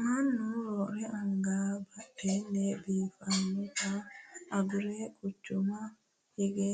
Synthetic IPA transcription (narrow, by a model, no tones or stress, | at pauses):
manːuɾoɾɛʔaŋɡabatːenːebifanːukaː | ɡuɾekut͡ʃːuma | hiɡe